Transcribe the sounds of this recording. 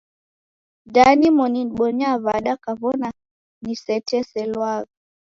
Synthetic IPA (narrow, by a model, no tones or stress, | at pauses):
danimɔniɓɔɲaβaɗakaβɔna | nisɛtɛsɛlwaɣa